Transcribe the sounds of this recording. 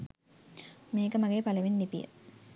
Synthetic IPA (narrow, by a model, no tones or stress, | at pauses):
meːkəmaɡeːpaləʋenːipijə̰